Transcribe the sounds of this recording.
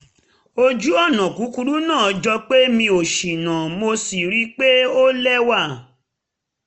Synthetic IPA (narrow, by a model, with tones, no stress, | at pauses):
o˦d͡ʒu˦ɔ˦˨nã˨ku˨˦ku˧ɾu˦nãː˦˨˧d͡ʒɔ˧k͡pe˦mĩ˧˦o˨ʃĩ˨nã˨mo˧si˨ɾi˦k͡pe˦o˦lɛ˦wa˦˨